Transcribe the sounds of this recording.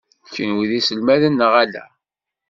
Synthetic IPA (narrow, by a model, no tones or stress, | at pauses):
çənwiðisəlmæðənːəʁælæ̰